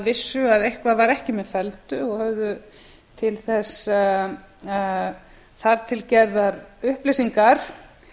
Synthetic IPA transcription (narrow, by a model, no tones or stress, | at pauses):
vɪsːʏaðejhkvaðvaɾɛhcɪmɛðfɛlt̪ʏɔɣhœvðʏ | t̪ʰɪlθɛsa | θaɾt̪ʰɪlcɛɾðaɾʏhplɪsiŋkaɾ̥